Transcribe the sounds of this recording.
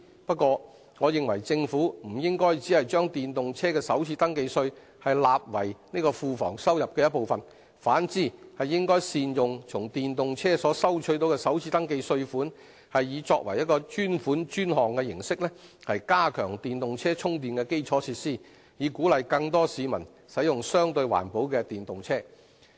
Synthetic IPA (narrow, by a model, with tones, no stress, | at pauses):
pɐ˥t̚kːʷɔː˧ | ŋɔː˨˧jɪ˨ŋwɐ˨˩jt͡sɪ˧ŋfuː˨˥m̩˨˩jɪ˥ŋkɔː˥jt͡siː˨˥hɐ˨jt͡ʃœː˥ŋt̪iː˨nt̪ʊ˨ŋt͡sʰɛː˥kɛː˧sɐ˨˥wt͡sʰiː˧˥t̪ɐ˥ŋke˧jsɵ˧ɥ | hɐ˨jlaː˨p̚wɐ˨˩jne˥kɔː˧fuː˨˧fɔ̰ː˨˩ŋsɐ˥wjɐ˨p̚kɛ˧jɐ˥t̚po˨wfɐ˨n | faː˨˥nt͡siː˥hɐ˨jːɪ˥ŋkɔː˥jsiː˨njʊ˨ŋt͡sʰʊ˨˩ŋt̪iː˨nt̪ʊ˨ŋt͡sʰɛː˥sɔː˨˥sɐ˥wt͡ʃʰɵ˧˥t̪o˨˧wkɛ˧sɐ˨˥wt͡sʰiː˧˥t̪ɐ˥ŋke˧jsɵ˧ɥfuː˨˥n | hɐ˨jːiː˨˧t͡ʃɔː˧k̚wɐ˨˩jɐ˥t̚kɔː˧t͡ʃyː˥nfuː˨˥nt͡ʃyː˥nɦɔː˨ŋkɛ˧jɪ˨˩ŋsɪ˥k̚lɛ˥hɐ˨jkaː˥kʰœː˨˩ŋt̪iː˨nt̪ʊ˨ŋt͡sʰɛː˥t͡sʰʊ˥ŋt̪̬iː˨nkɛː˧ke˥jt͡sʰɔː˨˥t͡sʰiː˧t̚siː˥˩ | jiː˨˧kuː˨˥lɐ˨jkɐ˧ŋt̪ɔː˥siː˨˧mɐ˨˩n | sɐ˨˥jʊ˨ŋsœː˥ŋt̪ɵ˧ɥwa̰ː˨˩npo˨˥wkɛ˧t̪iː˨nt̪ʊ˨ŋt͡sʰɛː˥